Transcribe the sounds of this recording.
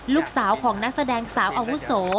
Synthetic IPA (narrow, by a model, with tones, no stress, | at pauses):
luː˥˩k̚saː˩˦wkʰɔː˩˦ŋna˦˥k̚sa˧dɛː˧ŋsaː˩˦wʔaː˧wu˦˥soː˩˦